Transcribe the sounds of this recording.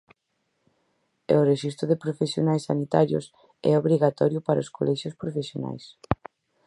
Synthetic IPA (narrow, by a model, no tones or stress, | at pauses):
oreʃist̪ɾʊðepɾofesjonajsːanit̪aɾjʊ̰s | ɛ̰oβɾiɣat̪ɔɾjʊpaɾaɐoskolʔɛʃjʊspɾofesjona̰js